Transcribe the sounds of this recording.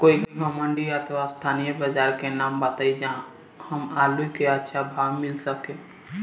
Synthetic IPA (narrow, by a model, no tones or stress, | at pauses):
koikiɦɔmə̃ɳɖiət̪ʰʋast̪ʰanijəbəd͡ʒaɾkenaːmbat̪aid͡ʒã | həmaluikeətːʃʰabʱaɡmɪlsəke